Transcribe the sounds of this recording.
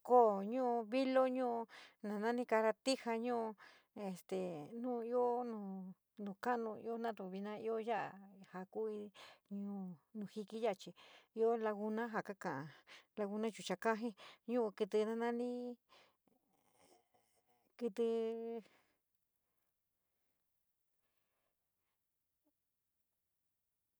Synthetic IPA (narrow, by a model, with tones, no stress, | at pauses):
ko˦˨ɲũ˦˧βi˦lo˦ɲũ˦˧nã˨nã˦nĩ˦ka˧ɾa˧t̪i˦ha˧ɲũ˦˧ | e˨st̪e˨nũː˦˧i˦o˦nũː˨ | nũ˨˧ka˦˨nũ˧ḭ˧˦o˦nã˦t̪u˨βi˧nã˧˦i˦o˦ja˦ʔa̰˨ha˨ku˦i˧ɲũ˧nũ˧hi˧ki˦ja˦ʔt͡ʃi˧i˧o˦la˧ɣu˧nã˦ɦa˨ka˦kã˨ʔã˧la˧ɣu˧nã˦t͡ʃu˨t͡ʃa˧ka˦ɦĩ˦ɲũ˦u˧kɨ˧t̪ɨ˧nã˦nã˦nĩ˦ | ki˧t̪ɨ˧